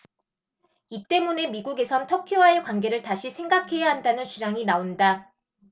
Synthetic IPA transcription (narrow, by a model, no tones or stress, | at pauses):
it͈e̞mune̞miɡuɡe̞sʰʌntʰʌkʰjowae̞kwanɡe̞ɾɯɭtaɕʰisʰe̞ŋɡakʰe̞jaɦandanɯnt͡ɕiɾaŋinaonda